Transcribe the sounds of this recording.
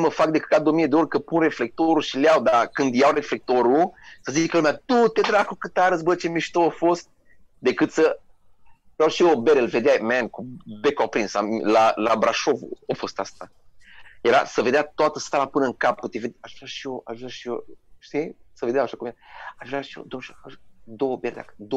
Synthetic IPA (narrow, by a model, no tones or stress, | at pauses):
məfak̚d̪ekɨt̪̚kad̪oomijed̪eo̞ɾʲkəpunrefle̞k̚t̪oɾuʃiljawd̪akɨnd̪jawɾe̞flek̚t̪oɾusəzikəlumeat̪ut̪ed̪ɾakukɨt̪aɾəzbət͡ʃemiʃt̪oafo̞st̪̚ | d̪e̞kɨt̪sə | vɾawʃiobeɾeelve̞d̪eamɛnkub̪ekopɾinsa̰lalabɾaʃo̞vuofo̞st̪ast̪a | jeɾa̰səve̞d̪eat̪oat̪əst̪alapɨnəɨŋkap̚kuɨt̪eved̪aʃvɾaʃioʔaʃveɾaʃio̰ʃt̪isəve̞d̪eawaʃakumieɾaʃveɾaʃio̰d̪oʃd̪o̞wəbeɾd̪ʲa̰kd̪o